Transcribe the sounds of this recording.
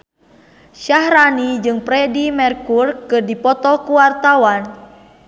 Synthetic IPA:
ʃahɾanid͡ʒɨŋpɾɛdimɛrkurkɨrdipɔt̪ɔkuwart̪awan

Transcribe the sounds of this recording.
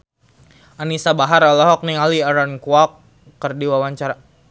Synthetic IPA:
anisabaɦaɾɔlɔɦɔk̚niŋaliaɾankuakː | ərdiwawaɲt͡ʃaɾa

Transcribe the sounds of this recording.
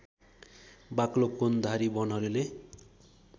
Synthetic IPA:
baklokond̪ʱaɾibʌnɦʌɾule

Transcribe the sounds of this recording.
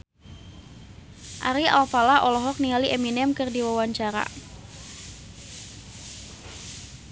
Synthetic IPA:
ʔa̰ɾia̰lfalaʔɔlɔɦɔk̚niŋaliʔɛminɛmkɨrdiwawaɲt͡ʃaɾa̰

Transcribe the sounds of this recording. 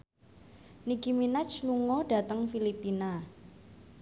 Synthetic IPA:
niɡiminat͡ʃluŋɔɖ̥a̤t̪əŋfilipina

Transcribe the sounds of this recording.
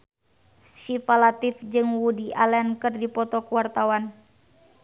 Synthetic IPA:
ʃifalat̪ifd͡ʒɨŋwudiʔalɛnkɨrdipɔt̪ɔkuwart̪awan

